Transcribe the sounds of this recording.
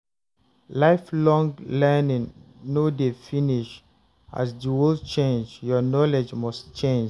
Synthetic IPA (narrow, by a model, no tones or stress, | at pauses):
laɪflɔ̃ŋlɛnĩŋ | nodefiniʃ | ʔa̰sdiwilt͡ʃẽnd͡ʒjɔnɔled͡ʒmɔst͡ʃẽnd͡ʒ